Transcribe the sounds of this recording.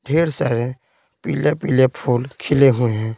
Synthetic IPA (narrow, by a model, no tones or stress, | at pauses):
ɖʱeːɾsa̰ːɾẽ | pḭːlepilepʰuːlkʰɪleɦʊeɦɛ̃ː